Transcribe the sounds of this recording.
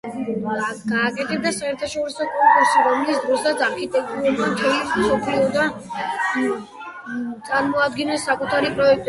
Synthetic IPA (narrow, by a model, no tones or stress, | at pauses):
ɡaːkʼɛt̪ʰɛb̚d̪asaɛɾt̪ʰaʃɔɾisɔkʼɔŋkʼuɾsiɾɔmlitsʰd̪ɾɔsad̪aɾkʰit̪ʼɛk̚t̪ʼuuɾmat̪ʰɛismsɔpʰliɔd̪a | t̪sʼaɾmɔad̪̚ɡinɛsːakʼut̪ʰaɾipʼɾɔɛk̚t̪ʼ